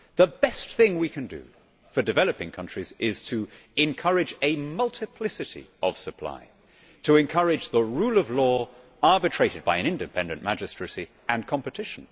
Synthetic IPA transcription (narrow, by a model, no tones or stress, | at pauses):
ðəbɛsθɪ̃ŋwikʰɨ̃ndɨ̰ | fə˞dɨvɛlˠəpɪ̃ŋkʰʌ̃nt͡ʃɹ̥izɪz̥tʰɨ | ɪ̃nkʰʌɹɪd͡ʒɨmʌlˠtʰɨpʰl̥ɪsɨɾḭʔʌv̥səpʰl̥a̰ɪ | tʰəɨ̃nkʰʌɹɪd͡ʒðəɹulˠʌvlɔ | ɑɹbɨtʰɹ̥eɪɾɨd̚baɪɨ̃ñɪ̃ndɨpʰɛ̃ndɨ̃nmæd͡ʒɨstɹ̥ɨsi | ɨ̃nkʰɑ̃mpɨtʰɪʃn̩